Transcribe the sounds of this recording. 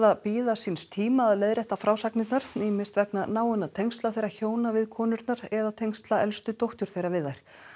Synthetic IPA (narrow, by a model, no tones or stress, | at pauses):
ðapiːðasinst̪ʰiːmaːðlejðɾɛht̪afɾaːwsaknɪt̪naɾ̥imɪst̪vɛknanaːwʏnat̪ʰejŋst̪laθejɾaçoːwnavɪðkʰɔːnʏɾt̪naɾɛðat̪ʰejŋst̪laɛlst̪ʏt̪owht̪ʏɾ̥θejɾavɪðːajɾ̥